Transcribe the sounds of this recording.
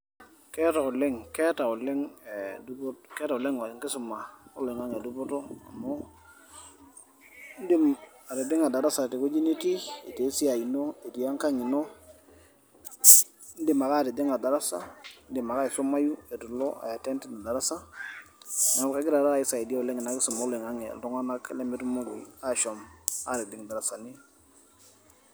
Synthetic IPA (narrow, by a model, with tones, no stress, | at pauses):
kɛ˦ta˨ʊ˨lɪ˦ŋkɛ˦ta˨ʊ˨lɛ˦ŋe˨du˦bkɛ˦ta˨ʊ˨lɛ˦ŋ˨ŋkɪ˦sʊ˨ma˨o˦lo˨ɪ˨ŋa˦ŋe˨du˦bo˦to˦a̰˨mo˦ | n̩˦dɪ˦ma˨ɾe˨dɪ˦ŋa˨da˨ɾa˦sa˨te˨ko˦d͡ʒi˦ne˦ti˦e˨te˨˦si˦a˨i˨no˦e˨ti˨a˦ŋka˦ɲɪ˨no˦ | n̩˦di˦ma˨ka˦˨ɾi˨di˦ŋa˨da˨ɾa˦sa̰˦n̩˦dɪ˨ma˨ka˦e˨so˦ma˦ju˦e˨tu˨lɔ˦a̰˨ja˨tɛ˦nti˦na˨da˨ɾa˦sa˦˨ | na˨ka˦ɡɪ˦ɾa˨ɾa˦˨ɪ˦sa˨e˨di˦a˦˨le˦ŋi˨na˨˦kɪ˦so˨mo˦le˨ŋa˦ŋḛ˨lto˦ŋa˦na˦kle˦me˦tmo˦ɡu˨ja˦ʃo˨ma̰˦ɾe˨dɪ˦ŋ˨da˨ɾa˨sa˨ni˦